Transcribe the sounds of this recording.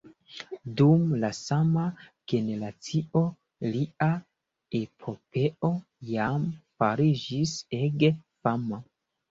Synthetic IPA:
dumlasamaɡ̥e̞ne̞ɾat͡sio̞ | lia | epʰo̞pʰe̞o̞ | jamfaɾid͡ʒiseɡfama

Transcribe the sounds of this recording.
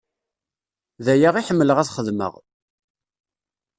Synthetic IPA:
ðæjaʁiħəmːələʁæθχəðmə̰ʁ

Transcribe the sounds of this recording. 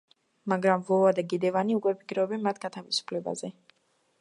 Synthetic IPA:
maɡɾamvɔvad̪aɡid̪ɛvaniukʼwɛpʰi̥kʰɾɔɔbɛnmat̪ʰɡat̪ʰavisu̥pʰlɛba̰zɛ

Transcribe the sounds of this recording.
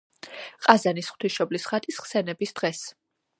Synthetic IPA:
qʼazanisχt̪ʰiʃɔblisχat̪ʰʼisχsɛnɛbisd̪̥ʁɛs

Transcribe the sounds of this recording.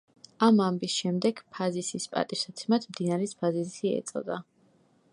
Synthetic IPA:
amambisʃɛmd̪ɛɡ̥pʰazisispʼa̰t̪ʼiʃsat̪sʰɛmad̪md̪inaɾɛspʰazisiɛ̰t̪sʼɔ̰d̪a

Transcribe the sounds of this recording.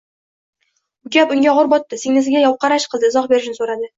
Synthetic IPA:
bʊɡʲapʊŋɡʲaɒʁʊɾbɒt̪ːɪseŋnɪs̬ɪɡʲajɒp̚qʰɑɾaʃqʰɨld̪ɪɪzɒχbe̞ɾɪʃnɪsoɾad̪ɪ

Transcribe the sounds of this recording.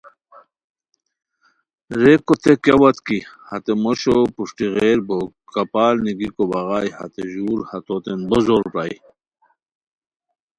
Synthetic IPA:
ɾekot̪ʰekɐwɐt̪kihɐt̪emoɕopuʂʈiɣeɾbo | kɐpaːlniɡikobɐɣaːjhɐ̰t̪eʑuːɾhat̪ot̪enbozoɾpa̰j

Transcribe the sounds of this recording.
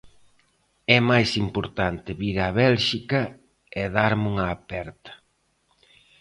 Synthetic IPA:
ɛmajsimpoɾt̪ant̪ɪβiɾaβɛlʃikɐ | eðaɾmuŋɐːpɛɾt̪ɐ̥

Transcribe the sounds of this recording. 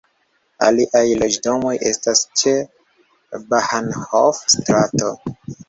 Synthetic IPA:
a̰liʔajlo̞d͡ʒdo̞mo̞jʔe̞̰stast͡ʃe | bahanhofstɾato̞

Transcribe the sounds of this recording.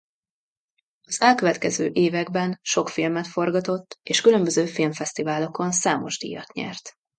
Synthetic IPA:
ɒz̥ɛlkøvɛt̪kɛzø̰ːʔeːvɛɡbɛnʃo̞kfilmɛt̪fo̞rɡɒt̪o̞t̪ːeːʃkylømbøzøːfilmfɛst̪ivaːlo̞ko̞nsaːmo̞̰ʒd̪ḭjːɒt̪ɲɛ̰rt̪

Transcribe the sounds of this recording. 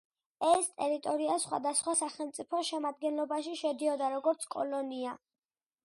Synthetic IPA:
ɛst̪ʼɛɾit̪ʼɔɾiasχwa̰d̪asχwasaχɛlˠmt̪sʼipʰɔʃɛmad̪̚ɡɛnlˠɔbaʃiʃɛd̪iɔd̪aɾɔɡɔɾt̪sʰkʼɔ̰lɔnia

